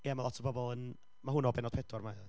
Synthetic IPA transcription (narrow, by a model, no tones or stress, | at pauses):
jɛmalˠɔtʰəbɔbɔlˠən | maɦʊnɔbɛnɔd̥̚pʰɛdɔrma